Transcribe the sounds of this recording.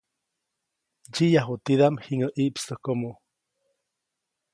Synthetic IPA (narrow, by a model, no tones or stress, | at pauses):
d͡ʒijaɦot̪iðamhiŋəʔiʔpsəhkomo